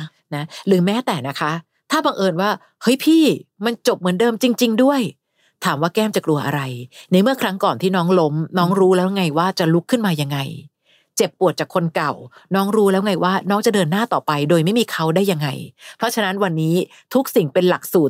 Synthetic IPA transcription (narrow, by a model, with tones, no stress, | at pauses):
na˦˥ɾɯː˩˦mɛː˦˥t̪ɛː˨˩na˦˥kʰa˦˥ | t̪ʰaː˥˩ba˧ŋʔɤː˧nwaː˥˩ | hɤ˦˥jpʰiː˥˩ma˧nt͡ɕo˨˩p̚mɯ˩˦ndɤː˧mt͡ɕi˧ŋt͡ɕi˧ŋdu˥˩əj | t̪ʰaː˩˦mwaː˥˩kɛː˥˩mt͡ɕa˨˩klu˧ɐʔa̰˧ɾa˧jna˧˥mɯ˥˩ɐkʰɾa˦˥ŋkɔː˨˩nt̪ʰiː˥˩nɔː˦˥ŋlo˦˥mnɔː˦˥ŋɾuː˦˥lɛː˦˥wŋa˧jwaː˥˩t͡ɕa˨˩lu˦˥kʰːɯ˥˩nmaː˧ja˧ŋːa˧j | t͡ɕe˨˩pːu˨˩ət̪̚t͡ɕaː˨˩kʰːo˧nka˨˩w | nɔː˦˥ŋɾuː˦˥lɛː˦˥wŋa˧jwaː˥˩nɔː˦˥ŋt͡ɕa˨˩dɤː˧nːaː˥˩t̪ɔː˨˩pa˧jdoː˧jma˥˩jmiː˧kʰa˦˥wdaː˥˩jːa˧ŋːa˧jpʰɾɔ˦˥t͡ɕʰa˧na˦˥nwa˧nːiː˦˥ | t̪ʰu˦˥k̚si˨˩ŋpe˧nla˨˩k̚suː˨˩t̪̚